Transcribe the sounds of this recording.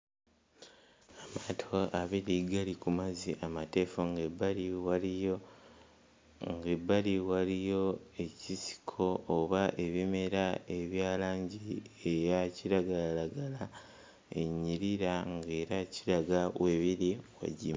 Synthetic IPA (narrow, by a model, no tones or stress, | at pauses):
amatʰo̞aβiɾiɡalikumaziʔamate̞ːfoŋɡebaɾiwao | ŋɡebːaliwalijo̞e̞cisi̥kʰo̞ːβaʔe̞βime̞ɾae̞βjaːlaːɲɟiejaciɾaɡalalaɡala | e̞̰ɲːiɾiɾaŋɡe̞ːɾaciɾaɡawe̞βiɾiwa̰ɟim